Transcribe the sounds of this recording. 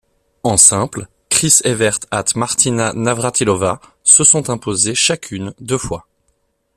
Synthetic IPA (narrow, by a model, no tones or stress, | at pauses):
ɑ̃sɛ̃pl | kχisevɛʁt̪at̪maʁt̪inanavʁat̪ilɔva | səsɔ̃t̪ɛ̃pozeʃakʲʰynd̪øfwa